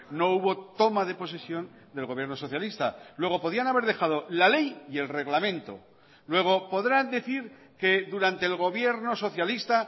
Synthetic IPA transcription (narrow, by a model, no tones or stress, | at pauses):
no̞uβo̞t̪o̞maðe̞po̞sesjo̞n | d̪e̞lɣo̞βje̞ɾno̞so̞θjalist̪a̰lwe̞ɣ̞o̞po̞ð̞ianaβe̞ɾðe̞xað̞o̞lale̞jie̞lre̞ɣlamẽ̞nt̪o̞̰ | lwe̞ɣ̞o̞po̞ðɾand̪e̞θiɾ | ke̞ðuɾant̪e̞ːlɣo̞βje̞ɾno̞so̞θjalist̪a